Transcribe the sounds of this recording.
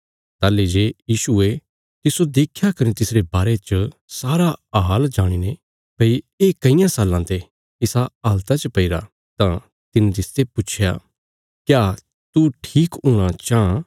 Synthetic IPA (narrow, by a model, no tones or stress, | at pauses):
t̪aːlːed͡ʒeːjiːʃue | t̪ɪsod̪eːkʰjakɐnet̪ɪsɾebaːɾet͡ʃəsaːɾaɦaːld͡ʒaːɽ̃ine | pɐi | eːkɐɪjãsaːlãt̪e | ɪsaaːlt̪at͡ʃəpɐɪɾa̰ | t̪ã | t̪ɪnt̪ɪst̪epʊt͡ʃʰja̰ | kjaː | t̪uʈʰiːkuːɽ̃at͡ʃã